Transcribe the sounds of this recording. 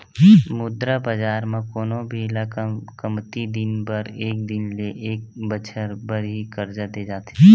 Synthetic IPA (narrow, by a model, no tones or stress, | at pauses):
mʊd̪ɾabəd͡ʒaːɾmãkoːnobʱeːlakəmt̪id̪ɪnbəɾeːk̚d̪ɪnleʔeːk̚bət͡ʃʰəɾbəɾɦikəɾd͡ʒad̪ed͡ʒaːt̪ː